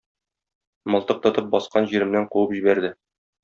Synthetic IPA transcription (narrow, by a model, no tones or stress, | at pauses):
mɒ̆lˠt̪ɤq̚t̪ɒt̪ɤp̚bɒsqɑnʑiɾɘ̆mnæɴquwɤpʑibæɾd̪ɘ